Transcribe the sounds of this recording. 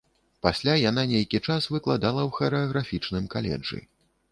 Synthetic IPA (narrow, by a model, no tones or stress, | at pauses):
pasʲlʲajananʲejkʲit͡ʂasvɨklˠad̪alˠɐwxɐɾɛɐɣɾafʲit͡ʂnɨmkalʲɛ̰d͡ʐɨ̰